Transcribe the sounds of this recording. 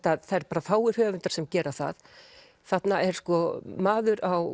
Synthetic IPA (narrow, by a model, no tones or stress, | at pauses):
t̪aðθaɛɾpaːɾaθaːwɪɾ̥hœːvʏnt̪ḁsɛmcɛːɾaθa̰ð | θat̪naʔɛɾ̥skɔmaːðʏɾaw